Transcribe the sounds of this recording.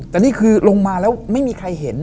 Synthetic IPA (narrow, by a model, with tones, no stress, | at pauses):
t̪ɛː˨˩niː˥˩kʰɯː˧lo˧ŋmaː˧lɛː˦˥wma˥˩jmiː˧kʰa˧jɦe˩˦n